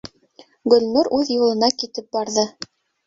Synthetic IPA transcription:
ɡɵ̆lʲnuɾʉðjulˠɤ̆nɑkit̪ɘp̚bɑɾðɤ

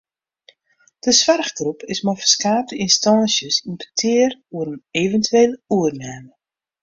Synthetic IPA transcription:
d̥əsʋarχɡrupʰɪsmɔjfərskaːp̚dəɪnstɑːnsjəsinpə̥tʰɪːəruəɾəneːvəntyeːləuərnɛːmə

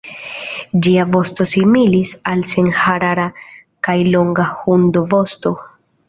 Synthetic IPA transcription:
d͡ʒiavo̞sto̞similisalsenhaɾaɾa | kajlo̞ŋɡahund̪ovo̞sto̞

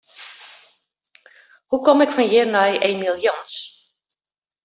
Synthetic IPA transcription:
hukɔmɪkfɔnjɪərnɔjeːmilˠjɔns

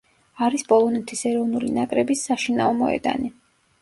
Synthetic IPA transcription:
aɾispʼɔlˠɔnɛt̪ʰisɛɾɔvnulinakʼɾɛbisːaʃinaɔmɔ̰ɛ̰d̪a̰ni

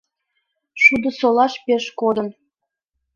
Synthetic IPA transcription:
ʃud̪osolɑʃpeʃkod̪ə̆n

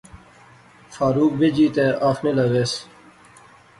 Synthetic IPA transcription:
faːɾuːk̚bʱed͡ʑiːt̪eːʔaːfnelɐɣeːs

